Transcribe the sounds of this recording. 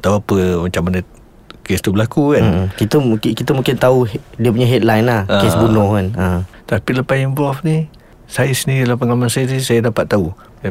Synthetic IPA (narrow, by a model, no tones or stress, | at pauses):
t̪auapəmat͡ʃamːanə | kɛst̪ubəlakukan̩kit̪əkkit̪əmũkɪnt̪audiəp̬uɲaɦet̪̚lajnahesbunʊhkanat̪apiləpasimvɔfni | sajasəniɾilahpəŋalamansajat̪̬isajadapat̪ːau